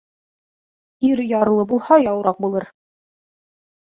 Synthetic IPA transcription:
iɾjɑɾlˠɤbulˠhɑjɑwɾɑq̚bulˠɤɾ

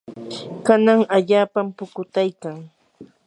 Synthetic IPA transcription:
kanaŋaʎaːpampʊkʊt̪ajkaŋ

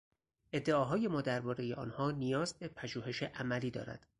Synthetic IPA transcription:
ʔe̞d̪ːe̞ɒːɦɒːje̞mɒːd̪æɾbɒːɾe̞jeʔɒ̰ːnhɒːnijɒːzbe̞pʰæʒuːhe̞ʃeʔæmæliːd̪ɒ̰ːɾæ̰d̪̥

